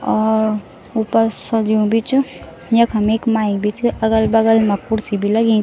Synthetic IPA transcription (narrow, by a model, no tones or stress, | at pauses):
ɔːɾ | upəɾsə̃d͡ʒiũbʱit͡ʃ | jɐkɦɐmeːkmaːibit͡ʃɐɡəlbɐɡəlmapːuɽsibʱilɐɡẽ